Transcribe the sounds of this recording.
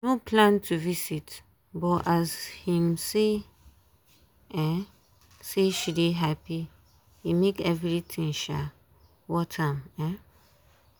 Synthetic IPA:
nopʰlãntʰuvisit | bɔʔazhĩmse | ɛ̃ | seʃideɦapi | imekɛvɾitʰĩŋʃa̰ | wɔtʰãmɛ̃

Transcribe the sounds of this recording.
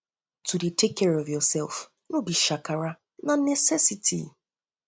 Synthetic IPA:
tudetekɛɾɔvjɔsɛlf | nobiʃakaɾa | nanesesitʰḭ

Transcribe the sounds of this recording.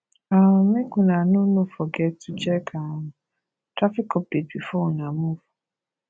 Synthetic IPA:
amẽkũnãnũnõfɔɡɛtʰud͡ʒɛkʰã | tɾafikɔpebifɔnãmõfɔ̥

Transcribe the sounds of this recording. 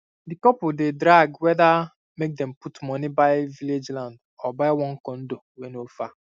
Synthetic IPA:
dikɔpʊdedɾaɡwɛda | mek̚dɛm̩putmɔnibaɪviled͡ʒlãnd | ɔbaɪwɔ̃ŋ̩kɔn̩dowenofa

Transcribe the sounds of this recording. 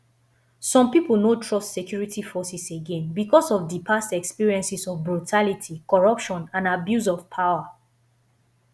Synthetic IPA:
sɔ̃mpipəl̩notʰɹɔstsekʰjuɹitifɔsɛseɡɛ̃nbikɔsɔvdipʰastɛkspiɹiɛ̃nsisɔvbɹutʰalitʰikɔɹʌpʃɔ̃nãnabjus̬ɔvpʰaʊwa

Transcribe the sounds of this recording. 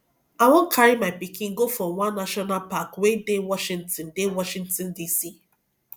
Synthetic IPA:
awɔ̃nkʰaɹimaɪpikʰĩnɡofɹɔ̃wãnːaʃɔnalpakwedewɔʃĩntɔ̃ndewɔʃĩŋtɔ̃ndisi

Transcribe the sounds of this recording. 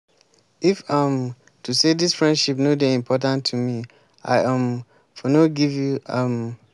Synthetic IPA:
ifʌm | tʰusedisfɹɛ̃ndʃipnodeĩmpʰɔt̬ãntʰːumi | a̰ɪʔʌ̃m | fɔnoɡivjuʌm

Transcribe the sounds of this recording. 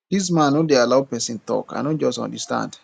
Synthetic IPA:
d̥is̬mãnodealawpɛsĩntɔ̰ka̰nod͡ʒɔstã̰ndəstã̰nd

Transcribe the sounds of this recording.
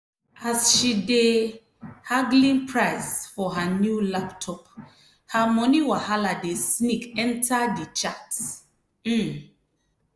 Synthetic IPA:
asʃide | haɡlĩnpʰɹaɪsfɔɦanjulaptʰɔp̚ | hamɔ̃niwahaladesnikɛ̃ntʰadit͡ʃat̩

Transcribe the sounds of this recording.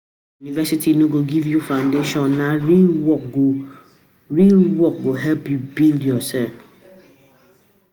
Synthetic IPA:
junivɛsitʰinoɡoɡivjufãndeʃɔ̃nːaɾiwɔko | ɾiwɔk̚ɡoɦɛpibildiɔsɛ

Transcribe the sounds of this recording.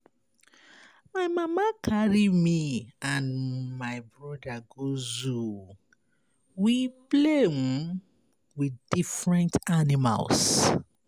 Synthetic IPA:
maɪmamakʰaɹimiãnmaɪbɹɔdaɡozu | wiple | widifɹɛ̃ntanima̰ls

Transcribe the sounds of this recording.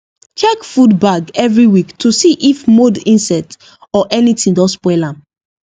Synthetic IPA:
t͡ʃɛkfudbaɡɛvɹiwiktʰusiʔifmodĩnsɛt | ɔʔɛnitĩŋdɔspɛlãm

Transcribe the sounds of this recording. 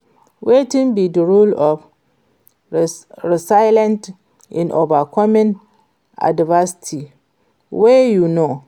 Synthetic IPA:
wetĩnbidəɹulɔf | ɹɪsaɪlɛ̃nt | ɪ̰̃nʔovakʰɔmɪ̃n | a̰dvasi̥tʰi | wejuno

